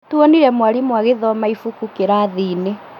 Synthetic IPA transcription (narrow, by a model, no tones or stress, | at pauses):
tuoniɾɛmwaɾimwaɣeðɔmaifukukeɾaðiːne